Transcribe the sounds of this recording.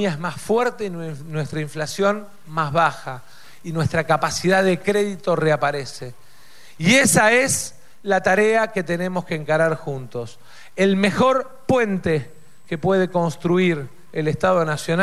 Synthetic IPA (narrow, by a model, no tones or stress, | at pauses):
jaezmasfwɛɾt̪einwest̪ɾaiɱflasjo̞n | mazβaxa | inwe̞st̪ɾakapasiðaðekɾeðit̪o̞reapaɾese | iesaes | lat̪aɾeaket̪ene̞moskeːŋkaɾaɾxunt̪o̞s | elmexo̞ɾ | pwe̞nt̪e | kepweð̞e̞ko̞nst̪ɾuiɾ | elest̪að̞o̞nasjona